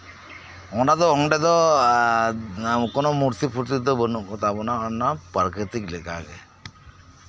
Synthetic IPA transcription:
ɔɖad̪ɔɔŋɖed̪ɔ | kɔnɔmuɾt̪ipʰuɾt̪id̪ɔbənukɔt̪apɔnaɔnːapaɾket̪iklekaɡḛ

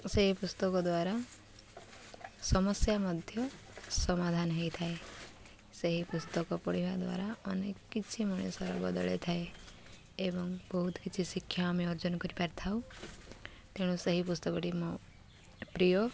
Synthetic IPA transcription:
seɦipust̪ɔkɔd̪waɾa | sɔmɔsjamɔd̪ʱjɔ | sɔmad̪ʱanɦɔjt̪ʰae | seɦipust̪ɔkɔpɔɽibad̪wa̰ɾaɔnekkːit͡ʃʰimɔɽ̃esaɾɔ̰bɔ̰d̪ɔ̰ɭḛt̪ʰae | ebɔŋbɔɦut̪ʰkit͡ʃʰisikʰːjaːmeɔɾd͡ʒɔnkɔɾipaɾt̪ʰaw | t̪eɽ̃useɦipust̪ɔkɔʈimɔ | pɾijɔ

